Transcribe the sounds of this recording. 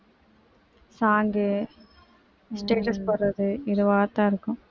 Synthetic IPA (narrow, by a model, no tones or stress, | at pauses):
saːŋɡɯ | sʈeːʈɐspɐɾːɐðɯɪðɯʋaːt̪ːaːɪɾɯkːɯ̃